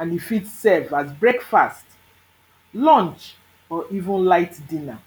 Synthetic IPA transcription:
ãnifitsɛvazbɹɛkfast | lɔ̃nt͡ʃ | ɔʔivũnlaɪtdĩna

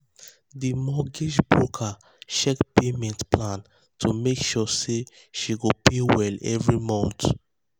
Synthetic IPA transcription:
dimɔɡiʃbɹokʰa | ʃɛkpemɛ̃ntplãn | tʰumekʃɔse | ʃiɡopewɛlɛ̰vɹimɔ̃nt

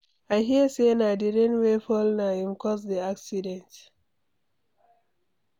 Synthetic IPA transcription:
aɪɦiəsenaɪdidə̃nwefɔlnaĩmkʰɔsdiaksidɛ̃nt

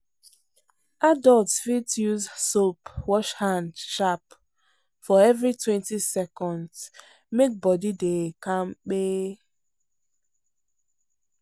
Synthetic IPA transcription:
adɔltsfitjuzsopwɔʃhãndʃap | fɔɛvɹitwɛ̃ntisɛkɔ̃nd | mek̚bɔdidekãmk͡pe

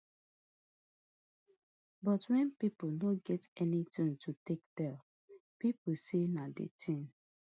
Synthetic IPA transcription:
bɔtwɛ̃npiponoɡɛtɛnitĩŋtʰutek̚dɛl | piposenadḛtʰĩŋ

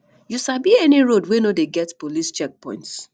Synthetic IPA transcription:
jusabiɛniɹodwenodeɡɛtpolist͡ʃɛk̚pɔ̰̃ɪ̃nts

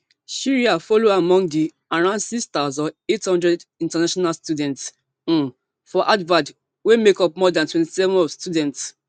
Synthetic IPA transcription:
ʃiɹiafɔloamɔ̃ŋdi | aɹãʊ̃ndsikst̪aʊzɔ̃nethɔ̃ndɹɛdĩntanaʃɔnalstudɛ̃nts̩ | fɔʔadvad | wemekɔpmɔdãntwɛ̃nti̥sɛvɔ̃nɔvstudɛ̃nts

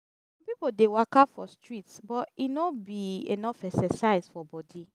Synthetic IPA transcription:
ɔ̃mpipodewakafɔstɹitsbɔtinobiḛnɔfɛsɛsaɪzfɔbɔdi

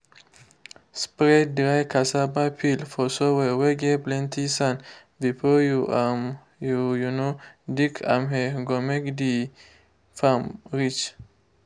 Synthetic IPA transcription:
spɹɛd̚dɾajkʰasabajpʰilfɔsowɛweɡeplɛ̃ntʰisãn | bifɔjuam | jujunodikʰã̰mɦeɡomekd̪i | famɹit͡ʃ

